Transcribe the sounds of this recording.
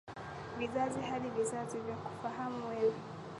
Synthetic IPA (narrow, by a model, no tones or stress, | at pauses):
viðaziɦaɗivisativjaku̥faɦamuwɛwi